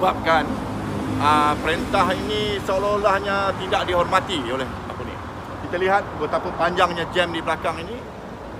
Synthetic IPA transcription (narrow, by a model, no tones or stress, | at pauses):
bap̚kan | əpəɾent̪aɦinĩsəololahɲat̪idaʔ̚diɦɔrmat̪iolɛh | a̰pənḭ | kit̪aliɦat̪̚bət̪apəpaɲd͡ʒaŋɲãd͡ʒɛmdibəlakaŋinĩ